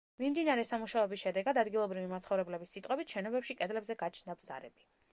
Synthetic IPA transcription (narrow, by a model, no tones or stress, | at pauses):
mimd̪inaɾɛsamuʃaɛbisʃɛd̪ɛɡad̪ad̪ɡilˠɔbɾivimat̪sʰχɔvɾɛblɛbisːit̪ʼqʼwɛbit̪ʃɛnɔbɛpʃikʼɛd̪lɛbzɛɡat͡ʃʰnd̪abz̥a̰ɾɛ̰bi